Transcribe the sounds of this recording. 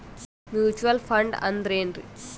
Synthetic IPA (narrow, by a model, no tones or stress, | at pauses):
mjuːt͡ʃuʋɐlpʰɐɳɖɐ̰nd̪ɐɾeːɳʈḭ